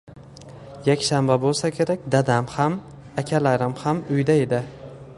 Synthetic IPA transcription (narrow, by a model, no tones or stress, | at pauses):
jakʲʃambabolˠsakʲʰe̞ɾakʲd̪ad̪amham | akʲʰalaɾɪmhamʊjd̪ae̞d̪ɪ